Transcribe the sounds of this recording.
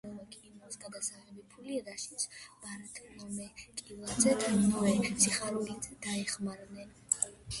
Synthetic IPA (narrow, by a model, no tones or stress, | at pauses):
ɔvakʼinɔsɡad̪asaʁɛbipʰuliɾaʃisb̥aɾat̪ʼlɔmɛkʼilˠazɛt̪ʰanavɛsiχaɾulizɛd̪̥aɛχmaɾvnɛn